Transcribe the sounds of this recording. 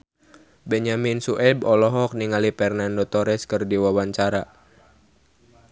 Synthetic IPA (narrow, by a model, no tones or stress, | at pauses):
bɛɲaminsuʔɛbɔlɔɦɔk̚niŋalipɛrnandɔt̪ɔɾɛskɨrdiwawaɲt͡ʃaɾa